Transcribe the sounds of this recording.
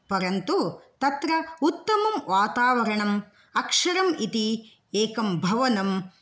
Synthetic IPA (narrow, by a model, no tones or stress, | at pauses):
pɐɾɐnt̪ut̪ɐt̪ɾɐut̪ːɐmɐmʋaːt̪aːʋɐɾɐɳɐm | ɐkʂɐɾɐmit̪i | eːkɐmbʱɐʋɐnɐm